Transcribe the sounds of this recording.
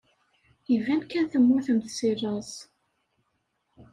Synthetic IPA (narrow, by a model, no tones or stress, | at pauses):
ivænkːænθəmːʊɾθəmθsirˤɑz